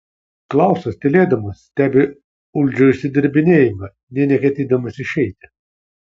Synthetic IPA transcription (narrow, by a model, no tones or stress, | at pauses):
klˠɑˑʊsɐst̪ʲelʲeːd̪ɐmɐsːʲt̪ʲæːbʲe | ʊlʲd͡ʒʲoɪʃʲsʲɪd̪ʲɪɾʲbʲɪnʲeːjɪmɐ | nʲɛnʲɛkʲɛt̪ʲiːd̪ɐmɐsʲɪʃʲɛɪt̪ʲɪ